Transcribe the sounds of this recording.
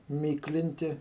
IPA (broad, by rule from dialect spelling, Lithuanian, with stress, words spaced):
ˈmʲiːklʲɪnʲtʲɪ